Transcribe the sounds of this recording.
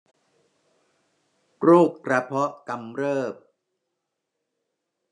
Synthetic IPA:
kɾuː˥˩kkɾa˧pʰɔ˦˥ʔka˧mɾɤː˥˩p̚

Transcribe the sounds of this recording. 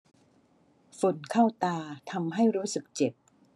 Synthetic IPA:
fo˨˩˦nkʰa˥˩wt̪aː˧t̪ʰa˧mɦa˥˩jɾuː˦˥sɯ˨˩k̚t͡ɕe˨˩p̚

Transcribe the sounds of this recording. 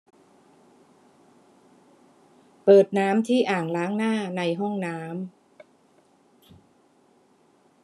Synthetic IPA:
pɤː˨˩t̪̚naː˦˥mt̪ʰiː˥˩ʔaː˨˩ŋlaː˦˥ŋnaː˥˩na˧jɦɔ˥˩ŋnaː˦˥m

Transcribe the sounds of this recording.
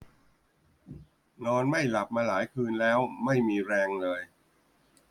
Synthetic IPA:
nɔː˧nma˥˩jla˨˩p̚maː˧laː˩˦jkʰɯː˧nlɛː˦˥wma˥˩jmiː˧ɾɛː˧ŋlɤː˧j

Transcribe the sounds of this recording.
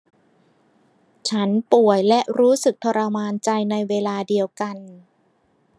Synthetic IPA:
t͡ɕʰa˦˥npu˨˩əjlɛ˦˥ʔɾuː˦˥sɯ˨˩k̚t̪ʰɔ˧ɾa˧maː˧nt͡ɕa˧jna˧jweː˧laː˧di˧əwka˧n

